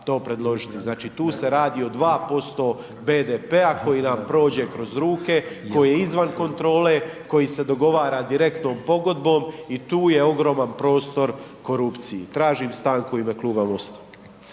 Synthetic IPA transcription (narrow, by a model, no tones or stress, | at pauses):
t̪o̞ːpɾe̞d̪lˠo̞ʒit̪iznaːt͡ʃit̪uːse̞ɾaːd̪io̞d̪ʋaːpo̞st̪o̞ː | beːd̪epeako̞jinampɾo̞ːd͡ʑe̞kɾo̞zɾuːke̞ko̞jijeizʋanko̞nt̪ɾo̞ːle̞ko̞jise̞d̪o̞ɡo̞ʋaːɾaːd̪iɾe̞kt̪no̞ːmpo̞ɡo̞d̪bo̞ːmit̪uːje̞o̞ɡɾo̞ːmanpɾo̞ːst̪o̞ɾko̞ɾuːpt̪sijit̪ɾaːʒimst̪aːŋkuimekluːbamost̪ḁ